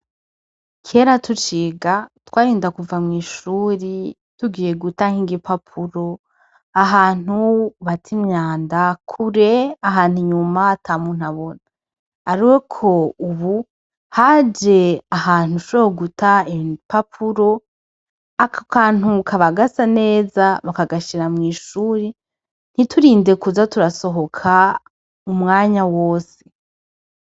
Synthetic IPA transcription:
kʰe̞ɾatʰut͡ʃiːɡatwaːɾiːndakuvamŋiːʃuːɾi | tuɡiːje̞ɡutahiːŋɡipʰapʰuɾo̞ | aɦaːn̥uβatʰimɲaːndakʰuɾeaɦaːn̥huɲumatʰaːmun̥haβo̞naː | ɾiwekʰo̞uβu | had͡ʒe̞ahaːn̥uʃuehoɡutaipapʰuɾo̞ | akkʰaːn̥ukʰaβaɡasane̞ːzaβakaɡaʃiɾamŋiːʃuːɾe | n̥itʰuɾiːnde̞kuzatuɾaso̞ɦo̞kʰa | umŋaːɲawoːse̥

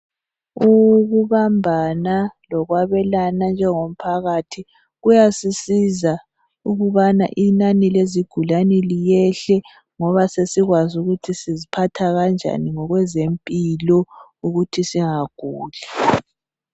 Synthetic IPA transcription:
uɣuβambʱanalɔɣwaβɛlanand͡ʒʱɛŋom̩pʰaɣatʰi | ɣujasisiza | uɣuβana̰ʔinanileziɡ̥ʱulanilijɛɬɛ | ŋɔβasesiɣwazuɣutʰisizipʰatʰaɣand͡ʒʱa̰niŋɔɣwɛzempʼilɔuɣutʰisiŋaɡ̥ʱuːlɛ

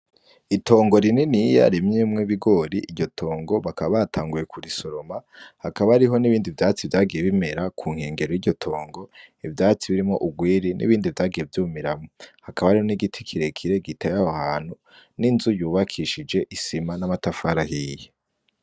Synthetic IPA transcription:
ito̞ːŋɡo̞ɾininija̰ɾimɲemŋeβiɡo̞ɾiʔːɟɟo̞tʰo̞ːŋɡo̞βakaββatʰaːŋɡuje̞kʰuɾiso̞ɾo̞mahakaβaɾiɦo̞niβiːndivjaːt͡sivjaːɡije̞βime̞ɾakʰuːŋ̥he̞ːŋɡe̞ɾojiɟɟo̞tʰo̞ːŋɡo̞ivjaːt͡siβiɾimŋo̞ʔuɡwiːɾinʔḭβiːndivjaːɡije̞vjuːmiɾamohakaβaɾihoniɡitʰi̥kʰiɾe̞kʰiɾe̞ɡitajahahaːn̥hu | ninzujuːβakʰiʃid͡ʒe̞ʔisimanamatafaɾaɦiːje

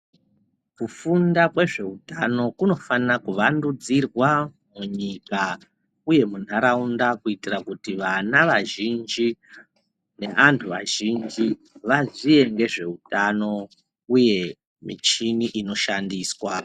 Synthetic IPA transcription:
kufundakwe̞ʐe̞utano̞kuno̞fanirakuʋandud͡zirwa | muɲika | uje̞mun̤aɾaundakuitirakutiʋanaʋaʒind͡ʒi | ne̞ʔantʰuʋa̰ʒind͡ʒi | ʋazie̞ŋɡe̞ʐe̞utano̞ | uje̞ | mḭt͡ʃiniʔino̞ʃandiːswa

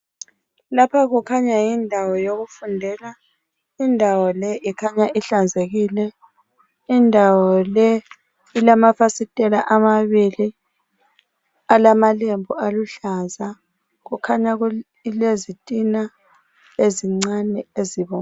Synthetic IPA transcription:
lapʰaɣukʰaɲajindʱawɔjoɣufundʱɛla | indʱawɔlɛʔikʰaɲaʔiɬand͡zʱeɣilɛ | indʱawɔlɛ | ilamafasitʼɛlaʔamaβili | alamalembʱualuɬaza | ɣukʰaɲaɣu | lezitʼina | eziŋ͡ǀanɛeziβɔ

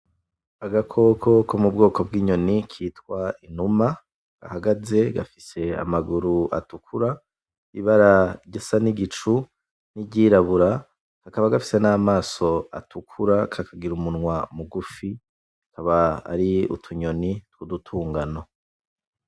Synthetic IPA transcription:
aɡakʰo̞kʰo̞kʰomub̚ɡo̞ːko̞b̚ɡiːɲo̞nikʰitkwainuma | ɡ̥a̰haɡaze̞ɡa̰fise̞a̰maɡuɾua̰tukʰuɾa | iβaɾaɟesaniɡit͡ʃu | nibɟiːɾaβuɾa | kakaβaɡafi̥se̞namaːso̞a̰tukʰuɾakʰakʰaɡiɾumunŋwamuɡufi | akʰaβa̰ːɾiṵtʰuɲo̞nitkudutʰuːŋɡano

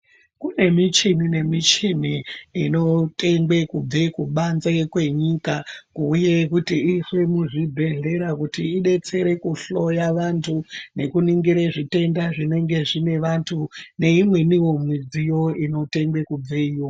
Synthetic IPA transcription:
kune̞mit͡ʃinine̞mit͡ʃiniːno̞te̞ŋɡwekub͡vekuɓanzekwe̞ɲiːkakuːje̞kutiiswemuʐibʱe̞ɮe̞ɾakutiːɗe̞t͡se̞ɾe̞kuɬo̞jaʋantʰune̞kuniŋɡiɾeʐite̞ndaʐine̞ŋɡe̞ʐine̞ʋantʰune̞imwe̞niwo̞mwid͡zijo̞ino̞te̞ŋɡwe̞kub͡veijo

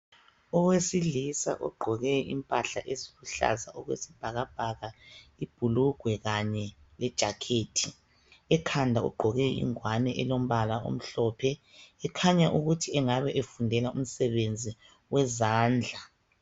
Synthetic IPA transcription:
ɔwesilisa̰ʔɔ̰ɡ͡ǃʱɔɣɛḭmpʼaɬaʔeziβuɬa̰zaʔɔɣwḛsib̥ʱaɣab̥ʱaɣaib̥ʱuluɡ̥ʱwɛɣaɲɛlɛd̥ʒ̥ʱakʰeːtʰi | ɛkʰandʱaɔ̰ɡ͡ǃʱɔɣɛḭŋwanɛʔɛlom̩βalao̰m̩ɬɔːpʰɛː | kʰaɲaʔuɣutʰiɛŋaβɛʔefundʱɛlaum̩sɛβend͡zʱi | wɛzaːnd͡ɮʱa

